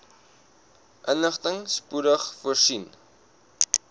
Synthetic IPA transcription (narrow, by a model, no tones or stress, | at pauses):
ʔənləχtəŋspuɾəχfuərsin